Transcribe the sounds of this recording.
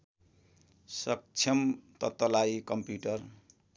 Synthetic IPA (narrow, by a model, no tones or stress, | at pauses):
sʌk̚t͡sʰʌmt̪ʌt̪ːʌlajkʌmpjuʈʌr